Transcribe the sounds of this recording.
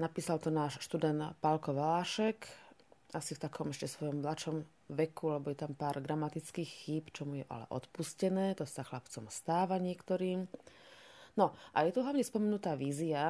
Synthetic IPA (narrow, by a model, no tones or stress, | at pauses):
napiːsalt̪ɔnaːʃʃt̪ud̪ɛnt̪palkɔʋalaːʃɛk | asift̪akɔmɛʃcɛsʋɔjɔmːlat͡ʃɔm | ʋɛkulɛbɔjɛt̪ampaːɾɡ̪ɾamat̪it͡skiːxxiːpt͡ʃɔmujɛʔa̰lɛ̰ʔɔ̰t̪puscɛnɛːt̪ɔsaxlapt͡sɔmst̪aːʋaɲɪɛkt̪ɔɾiːm | nɔʔa̰jɛt̪uɦlaʋɲɛspɔmɛnut̪aːʋiːzia